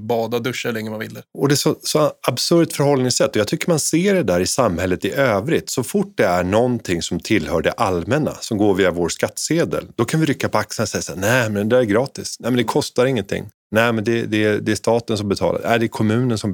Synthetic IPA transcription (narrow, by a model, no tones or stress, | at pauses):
bɑːd̪ad̪ɵʂalɛŋːəmanvɪld̪əɔd̪ɛsɔsɔabsɵɾt̪fœɾɦɔlːnɪŋsɛt̪ːɔjɑt̪ʰʏkːəɾmanseːɖɛd̪æːɾɪsamhɛlːət̪ɪʔøːvɾɪt̪sɔfʊʈ̚ːd̪ɛæɳɔnt̪ʰɪŋːsɔmt̪ʰɪlːhœːɖɛʔalmɛna̰sɔmɡoːɾviːavoːɾskat̪ːseːd̪ə̰ld̪ɔkʰanvɪɾʏkːapʰɔaksənasɛjːasa̰ːnɛmɛnd̪æɾɛɡɾɑːt̪ɪsnɛɪmɛnd̪ɛkʰɔst̪aɾɪŋːənt̪ʰɪ̰ŋː | nɛɪmɛnd̪ɛd̪ɛd̪ɛæʂt̪ɑːt̪əns̬ɔmbɛt̪ʰɑ̰ːla̰ɾæd̪ɛkʰɔmʉ̟ːnənsɔm